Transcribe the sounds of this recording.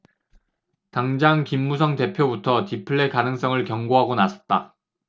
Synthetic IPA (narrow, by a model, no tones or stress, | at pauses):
taŋd͡ʑaŋkimːusʰʌŋte̞pʰjobutʰʌtipʰɯɭːe̞kanɯŋs͈ʌŋɯɭkjʌŋɡoɦaɡonasʰʌ̥t̚t͈a